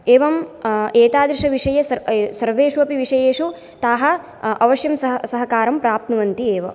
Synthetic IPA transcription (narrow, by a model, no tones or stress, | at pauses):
eːʋɐmeːt̪aːd̪ɾiʂɐʋiʂɐjɐsɐsɐɾʋeːʂuɐpiʋiʂɐjeːʂu | t̪aːɦɐ | ɐʋɐʃjɐmsɐɦsɐɦɐkaːɾɐmpɾaːp̚t̪nɐʋɐnt̪ieːʋɐ̰